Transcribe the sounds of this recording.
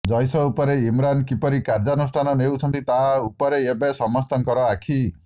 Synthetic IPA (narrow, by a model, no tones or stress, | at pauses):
d͡ʒɔjsɔupɔɾeimɾankipɔɾikaɾd͡ʒanusʈʰanɔnewt͡ʃʰɔnt̪it̪aɦaupɔɾeebesɔmɔst̪ɔŋkɔɾɔakʰi